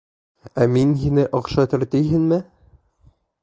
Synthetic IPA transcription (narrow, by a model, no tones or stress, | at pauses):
æminhinɘʔɤ̆qʃɑt̪ɘ̆ɾt̪ɘjɦɘnmɘ